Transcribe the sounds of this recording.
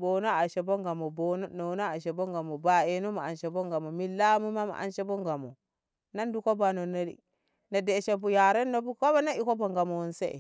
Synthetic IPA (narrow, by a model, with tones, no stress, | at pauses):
bo˨no˦a˨ʃe˨bo˦ŋɡa˨mo˨bo˨n˦no˨˦no˦a˨ʃe˨bo˦ŋɡa˨mo˨ba˨e˨nu˦ma˨a˨nʃe˨bo˦ŋɡa˨mo˨mi˨lːa˦mu˦ma˦ma̰˨ʔa̰˦nʃe˦bo˦ŋɡa˨mo˨ | na˦ndu˦ko˦ba˨no˨no˦lḭ˦ | na˨de˨ʃe˨bu˨ja˨ɾe˦nːo˦bu˦ko˦ba˦na˦i˦ko˦bo˨ŋɡa˨mo˨wo˨nsḛ˦ḛ˨